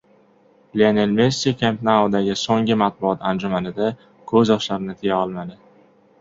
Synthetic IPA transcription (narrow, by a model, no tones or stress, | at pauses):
leanelmesikʲʰemt̪naod̪aɡʲɪsoŋɪmat̪̚bʊɒt̪ʰand͡ʒʊmanɪd̪a | kʰɵzjɒʃlaɾɪnɪt̪ʰɪjaɒlˠmad̪ɪ